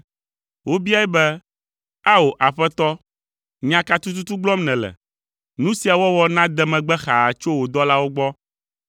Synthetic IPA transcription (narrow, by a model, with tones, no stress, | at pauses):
wʔo˦bi˦a˦ɛ˦bɛ˦ | a˦wo˨ʔa˨ɸɛ˦t̪ɔ˦ | ɲã˦ka˦t̪u˦t̪̬u˦t̪u˦ɡ͡blɔ˦mnɛ̃˨lɛ̰˨ | nũ˦si˨a˨wɔ˦wɔ˨nã˦d̪ɛ˦mɛ̃˨ɡ͡bɛ˦xa˨a˨t͡ʃo˦wo˨d̪ɔ˦la˦wo˦ɡ͡bɔ˦